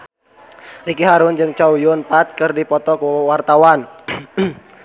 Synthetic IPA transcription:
rikiɦaɾʊnd͡ʒɨŋt͡ʃaujʊnpat̪̚kɨrdipɔt̪ɔkuwart̪awan

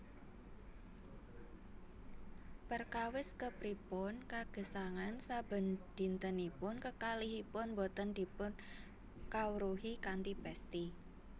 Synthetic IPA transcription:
pərkawɪskəpɾipʊnkaɡ̥ə̤saŋansab̥ə̤nd̪̥i̤nt̪ənipʊnkəkaliɦipʊnmbot̪ənd̪̥i̤pʊn | kawɾuɦikant̪ipɛst̪i

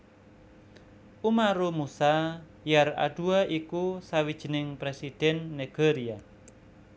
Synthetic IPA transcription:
umaɾumusa | jara̰ɖ̥uaʔikusawid̥ʒ̥ə̤nɪŋpɾesid̪̥ɛnːeɡ̥eɾia

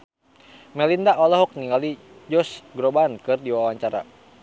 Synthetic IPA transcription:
mɛlindaʔɔlɔɦɔk̚niŋali | d͡ʒɔsɡɾɔbankɨrdiwawaɲt͡ʃaɾa̰

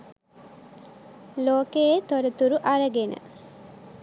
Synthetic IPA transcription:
loːkeet̪oɾət̪uɾuʔaɾəɡenə̰

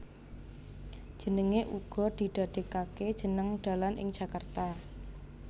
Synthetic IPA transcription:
d̥ʒ̥ə̤nəŋeʔuɡ̥ɔ̤d̪̥i̤d̪̥a̤d̪̥e̤kaked̥ʒ̥ə̤nəŋɖ̪̥a̤lanʔɪ̰ŋd̥ʒ̥ä̤kart̪a

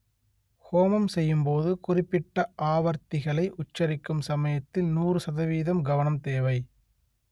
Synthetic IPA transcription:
hoːmɐmsɛjːɯmpoːðɯkʊrɪpːɪʈːɐʔaːʋɐɾt̪ɪɣɐɭɐɪʔʊt͡ʃːɐɾɪkːɯmsɐmɐjɐt̪ːɪlnuːrɯsɐðɐʋiːðɐmɡɐʋɐnɐmt̪eːʋɐɪ

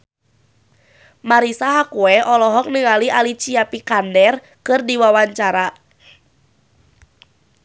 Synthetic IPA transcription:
maɾisaɦakuɛʔɔlɔɦɔk̚nɨŋaliʔalit͡ʃiapikandɛr | kɨrdiwawaɲt͡ʃaɾa

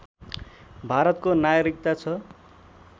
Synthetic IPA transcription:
bʱaɾʌt̪konajɾik̚t̪at͡sʰʌ

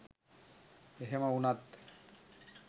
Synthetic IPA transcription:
eɦemaunat̪

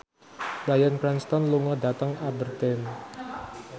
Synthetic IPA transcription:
bajankɾanst̪ɔnluŋadat̪əŋabərt̪ɛn

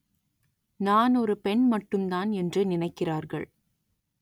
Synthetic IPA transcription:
naːnɔɾɯpɛɳmɐʈːɯmd̪aːnɛndrɯnɪnɐɪkːɪraːɾɣɐ̰ɭ

